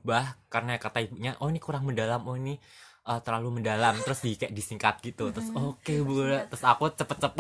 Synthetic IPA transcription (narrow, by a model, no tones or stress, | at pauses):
bahkarənaakat̪aibuʔɲaʔoinikuɾaŋməndalamɔini | ʔəːt̪ərlaluməndalamt̪əɾʊsdikaaʔdisiŋkat̪̚ɡ̥it̪ut̪ɾʊsokebolɛt̪ːɾʊsakut͡ʃəpət̪̚t͡ʃəpət̪̚